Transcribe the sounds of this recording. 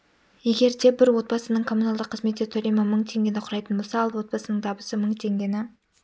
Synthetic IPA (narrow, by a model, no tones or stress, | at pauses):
je̞ɡʲe̞ɾt̪ʰe̞bɪɾwo̞t̪̚bɑsənəɴkʰo̞mːunalˠd̪əqʰːəzmet̪ːʲet̪ʰɵɾʲemɑməɴt̪ʰe̞ŋɡʲe̞nɪqʰʊɾɑjt̪ənbo̞lˠsɑɑlˠwo̞t̪̚bɑsənəɴt̪ʰɑbəsəməɴt̪ʰe̞ŋɡʲe̞nɪ